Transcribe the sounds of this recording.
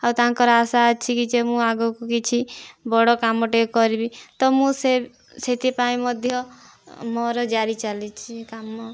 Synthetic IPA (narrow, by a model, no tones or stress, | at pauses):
awt̪aŋkɔɾasaːt͡ʃʰikid͡ʒemũaɡɔkukit͡ʃʰibɔɽɔkamɔʈekɔɾibit̪ɔmũse | set̪ipaĩmɔd̪ʱjɔ | mɔɾɔd͡ʒaɾit͡ʃalit͡ʃʰikamːɔ